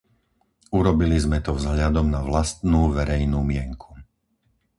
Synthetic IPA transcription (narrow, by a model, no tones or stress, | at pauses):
uɾɔbilizmɛt̪ɔvzɦʎad̪ɔmnaʋlast̪nuːʋɛɾɛjnuːmɪɛŋkʰu̥